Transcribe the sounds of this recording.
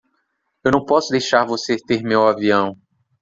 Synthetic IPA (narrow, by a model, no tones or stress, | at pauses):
ewnɐ̃w̃pɔsʊd̪ejʃaɾvoset̪eɾmewaviɐ̃w̃